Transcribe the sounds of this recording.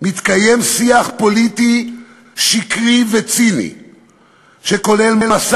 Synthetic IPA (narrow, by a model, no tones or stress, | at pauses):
mit̪kaje̞msiaχpo̞lit̪i | ʃikʁivet͡sinḭ | ʃeko̞le̞lmelas